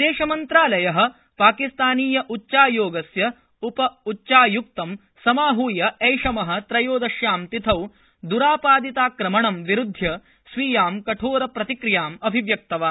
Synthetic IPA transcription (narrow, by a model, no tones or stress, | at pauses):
d̪eːʃɐmɐnt̪ɾaːlɐjɐɦɐ̆ | paːkist̪aːniːjɐʔutːʃaːjoːɡɐsjɐ | upɐutːʃaːjuk̚t̪ɐm | sɐmaːɦuːjɐɐjʂɐmɐɦɐ̆t̪ɾɐjoːd̪ɐʃjaːmt̪it̪ʰɐw | d̪uɾaːpaːd̪it̪aːkɾɐmɐɳɐmʋiɾud̪ʱjɐ | sʋiːjaːmkɐʈʰoːɾɐpɾɐt̪ikɾijaːmɐbʱiʋjɐk̚t̪ɐʋaː